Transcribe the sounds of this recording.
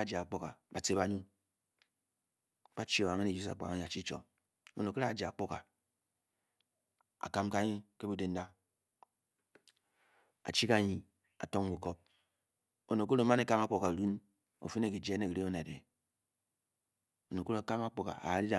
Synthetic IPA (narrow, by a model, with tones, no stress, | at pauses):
a˦d͡ʒa˨k͡po˦ka̰˨ba˨te˨˦ba˨ɲu˦ | k͡pa˦t͡ʃi˦o˨a˨ŋe˦ne˨d͡ʒu˦sa̰˨k͡pa̰˨a˨˦ɲi˨a˨t͡ʃi˦t͡ʃo̰˨ | o̰˨no˨ke˦ɾa˦˨d͡ʒa˨k͡po˦ka̰˨ | a̰˨ka˦mka˦ɲi˦ke˦bu˦de˦n̩˦da˦ | a̰˨t͡ʃi˦ka˦˨ɲi˨ | a̰˨to˦ŋɡu˨ko˦p̚ | o˨no˨ko˦ɾo˨˦ma˦ne˨ka˦ma˦k͡po˨ka˨ɾu˦n | o̰˨fi˦n˦e˦˨ki˨d͡ʒe˦ne˦˨ki˨ɾi˦o˦na˨dḛ˨ | o˨no˨ko˦ɾo˨ka˦ma˦k͡po˨ka̰˨a̰˨ɾi˦da˨